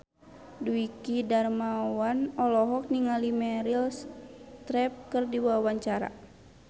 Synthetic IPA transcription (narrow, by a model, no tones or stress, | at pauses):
duikidarmawanɔlɔɦɔk̚niŋalimɛɾilst̪ɾɛp̚kərdiwawaɲt͡ʃaɾa̰